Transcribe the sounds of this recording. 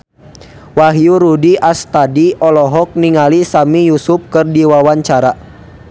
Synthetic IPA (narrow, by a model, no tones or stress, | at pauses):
waɦjuɾudiʔast̪adiʔɔlɔɦɔk̚niŋalisamijusup̚kɨrdiwawaɲt͡ʃaɾa